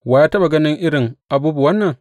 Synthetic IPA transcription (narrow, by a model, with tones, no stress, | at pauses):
waː˦jaː˦tɐ˦ɓa˨ɡɐ˦nɪ˦ŋʔɪ˦ɽɪ˨ŋʔa˨buː˦bu˨wɐ˦nːɐ˨ŋ